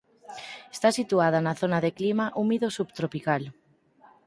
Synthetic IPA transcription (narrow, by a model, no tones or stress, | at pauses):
est̪asit̪uað̞anaθonaðeklimaʔumiðosubt̪ɾopikal